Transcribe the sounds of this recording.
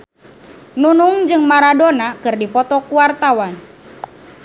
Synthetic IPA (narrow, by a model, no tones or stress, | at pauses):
nunuŋd͡ʒɨŋmaɾadonakɨrdipɔt̪ɔkuwart̪awan